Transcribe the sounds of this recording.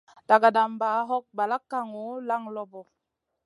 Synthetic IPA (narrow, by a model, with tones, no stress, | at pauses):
d̥a˨ɡa˨da˨mba˨˦ɦɔ˦k̚ba˨la˦kːa˦ŋu˨˦la˦ŋlɔ˦bɔ˨